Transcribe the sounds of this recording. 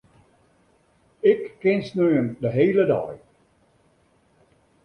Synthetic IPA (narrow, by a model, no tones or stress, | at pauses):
ɪkːɪnsnøjəndəɦeːlədɔ̰j